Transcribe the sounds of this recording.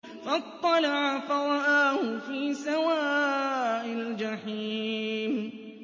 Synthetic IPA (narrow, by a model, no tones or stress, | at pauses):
fat̪ˤːɑlaʕafaɾˤɑʔaːhʊfiːsawaːʔald͡ʒaħiːm